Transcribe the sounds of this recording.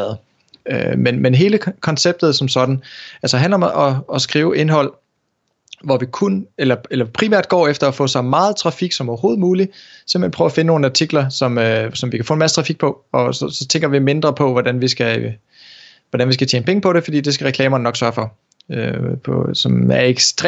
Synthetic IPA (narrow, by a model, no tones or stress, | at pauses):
ð̩ˠ | ømenmenɦe̝ːləkʰɒ̽nseb̥̚d̥ð̩ˠsɒ̽msɒ̽d̥n̩ælsɐɦænlɐɒ̽mʔɒ̽ɒ̽sɡ̥ʁiːʊʔe̝nɦɒ̽l̰ | ʋɒʋikʰunelɐelɐpʰʁimæɐ̰d̥̚ɡ̥ɒ̰ːefd̥ɐɒfɔ̰̽ːsɑ̈ɪmɑ̈ːð̞̩ˠt͡sʰʁɑ̈fiɡ̥sɒ̽mɒɐho̝ːð̞̩ˠmuːlisem̥̩enpʰʁœːʊæfe̝nəno̝ːn̩ɑ̈t͡sʰiɡ̥lɐsɒ̽møsɒ̽mʋikʰæfɔ̰ːenmæsə̥t͡sʰʁɑ̈fiɡ̥̚pʰɒ̽ɒ̽sɒsɒ̽t͡sʰeŋɡ̥ɐʋime̝nd̥ʁɐpʰɒ̽ʋɒdænʋisɡ̥æ | ʋɒd̥ænʋis̬ɡ̥æt͡ɕʰjeːnpeŋəpʰɒ̽ɾe̝fɒd̥ḭːd̥e̝sɡ̥æʁɛkʰlɛ̰ːmɐnnɒ̽ɡ̥sɶɐfɒ̽ | øpʰɒ̽sɒ̽mæɐeɡ̥sd̥ʁ